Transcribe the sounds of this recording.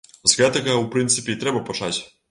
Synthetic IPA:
zɡat̪ɛkaupɾɨnt̪sɨpʲjɛt̪ɾɛbapɔt͡ʂat͡ɕ

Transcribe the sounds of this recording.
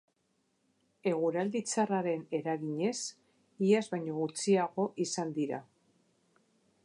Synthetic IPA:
e̞ɣ̞uɾald̪it͡saraɾe̞ne̞ɾaɣiɲe̞s | iazβajɲo̞ɣut͡siaɣo̞ʔisand̪iɾa̰

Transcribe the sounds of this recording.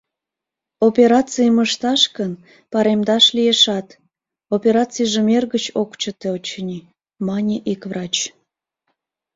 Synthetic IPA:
opʲeɾɑt͡sɨjəməʃt̪ɑʃkən | pɑɾemd̪ɑʃlijeʃɑt̪ | opʲeɾɑt͡sijʒemerɣət͡ɕokt͡ɕət̪eot͡ɕənʲi | mɑnʲiʔikvrɑt͡ɕ

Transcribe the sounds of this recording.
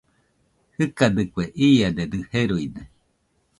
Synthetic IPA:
hɨkad̪ɨkʷeʔiːad̪ed̪ɨheɾuide

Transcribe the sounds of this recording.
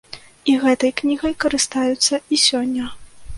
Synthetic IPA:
iɣɛt̪ɐjknʲiɣɐjkɐɾɨst̪ajut̪sːɐisʲɔnʲːɐ

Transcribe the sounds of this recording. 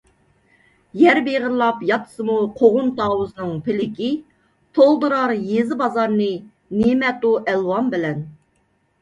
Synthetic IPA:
jæɾbeʁəɾlˠɑpjɑt̪ʰə̥sɨmuqʰoʁʊnt̪ʰɑːwuznɨŋpʰɪlɪkʲi | t̪ʰolˠd̪uɾɑɾjezɪbɑzɑɾnɨ | nemɛt̪uʔɛlwɑmbɪlɛn

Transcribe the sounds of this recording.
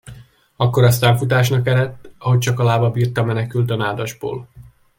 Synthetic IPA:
ɒkːo̞ɾɒst̪aːɱfut̪aːʃ̬nɒkɛɾɛt̪ːɒɦo̞c̚t͡ʃɒkɒlaːvɒbiːrt̪ɒmɛnɛkylt̪ønaːd̪ɒʒbo̰ːl

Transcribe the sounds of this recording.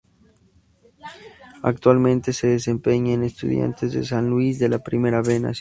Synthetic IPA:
a̰k̚t̪walmẽnt̪eseðesempeɲaenest̪ṵðja̰nt̪ezðḛsanlwizðelapɾimeɾaβena̰s

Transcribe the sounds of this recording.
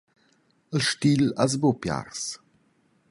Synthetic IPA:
əlʃtilaz̬bopja̰rs

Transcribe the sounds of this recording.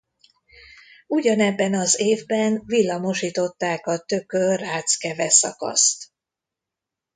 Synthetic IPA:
uɟɒnɛbːɛnɒzeːvbɛnvilːɒmo̞ʃiːt̪o̞t̪ːaːkɒt̪økøraːt̪skɛvɛsɒ̰kɒ̰st̪

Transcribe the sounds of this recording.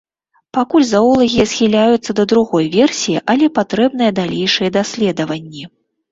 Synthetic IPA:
pakulʲzaɔlˠɐɣʲijɐsxʲilʲajut̪sːɐd̪ɐd̪ɾuɣɔjvʲɛrsʲijiʔɐlʲɛpat̪ɾɛbnɨjɐd̪alʲɛjʂɨjɐd̪asʲlʲɛd̪ɐvɐnʲːi

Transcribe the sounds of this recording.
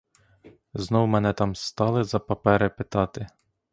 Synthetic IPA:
znɔwmɛnɛt̪ɑmst̪ɑlˠɪzɐpɐpɛɾɪpɪt̪ɑt̪ɪ

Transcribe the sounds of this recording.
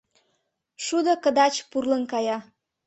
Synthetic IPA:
ʃud̪okə̆d̪ɑt͡ɕpurlənkɑjɑ

